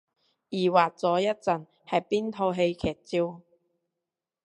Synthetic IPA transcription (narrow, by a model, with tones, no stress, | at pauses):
jiː˨˩waː˨t̚t͡sɔː˨˥jɐ˥t̚t͡sɐ˨n | hɐ˨˩jpiː˥nt̪ʰo˧wɦe˧jkʰɛː˨˩t̚t͡siː˥w